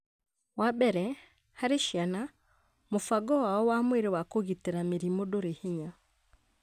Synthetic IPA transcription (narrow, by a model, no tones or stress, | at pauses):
wabɛɾɛ | haɾeʃiana | mofaɡɔwaɔwamweɾewakoɣiteɾameɾimodoɾeheɲa